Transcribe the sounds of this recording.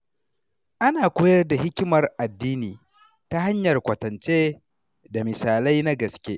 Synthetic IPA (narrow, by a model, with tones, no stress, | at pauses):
ʔa˦naː˨kʷoː˦jɐ˦rda˨hɪ˦kʲɪ˦mɐ˨rʔa˨dːiː˦niː˨ | ta˦ɦa˦ɲjɐ˨rkʷɐ˨tɐ˨nt͡ʃeː˦ | da˨mɪ˨saː˨la˦jna˦ɡɐ˨skʲḛ˦ʔ